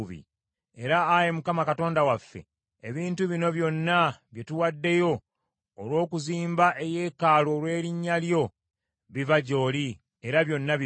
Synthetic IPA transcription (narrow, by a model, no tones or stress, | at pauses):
βḭ | e̞ɾaːjemukamakato̞ːndawafːe̞̰ː | βiːntuβino̞βjo̞nːaβje̞tuwadːe̞jo̞ː | lwo̞ːkuziːmbaʔe̞je̞ːkaːlo̞lwe̞ːɾiɲːaljo̞ | βivaɟo̞ːli | eɾaβjo̞nːa